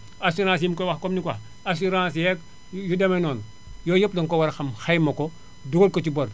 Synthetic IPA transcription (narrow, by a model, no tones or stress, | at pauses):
asuɾãːs̬jimkowaxkomnikwah | as̬uɾãːsjek | judemenoːn | joːjɐp̚doŋkowaɾxɐmxajmɐko | duɡolkot͡ʃiboɾ